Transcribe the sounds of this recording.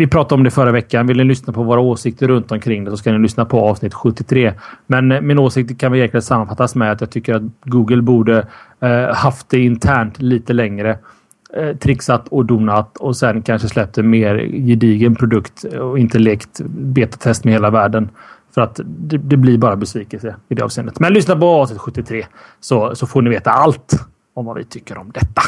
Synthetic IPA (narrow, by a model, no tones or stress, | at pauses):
vɪpʰɾɑːt̪adɔmd̪ɛfœɾavɛkːanvɪlnɪlʏsnapʰɔvoːɾaoːsɪk̚t̪əɾɵnt̪ɔmkʰɾɪŋːd̪ɛsɔskanɪlʏsnapʰɔɑːv̥snɪt̪ːɧɵt̪ːɪt̪ʰɾeːmɛnmɪnoːsɪk̚t̪əɾkʰanvɪjæɾkləənsamːanfat̪ːasmɛat̪jɑːɡt̪ʰʏkːəɾat̪ɡuːɡəlbuːɖə | haft̪̚d̪ɛɪnt̪ʰæːɳʈliːt̪əlɛŋɾə | t̪ʰɾɪksat̪ʰɔd̪uːnat̪ɔsɛnkʰanʂəslɛp̚d̪əmeːɾjɪd̪iːɡənpʰɾʊd̪ɵkt̪ɔɪnt̪əleːkt̪beːt̪ḁt̪ʰɛst̪mɛheːlavæːɖənfœɾat̪d̪ɛd̪ɛblɪbɑːɾabɛsviːkəlsəɪd̪ɛɑ̰vseːnːət̪mɛnlʏsnapɔɑːsnɪt̪ɧɵt̪ːɪt̪ʰɾeːsɔsɔfoːɳɪveːt̪aʔalt̪ | ɔmvavɪ̰t̪ʰʏkːəɾɔmd̪ɛt̪ːa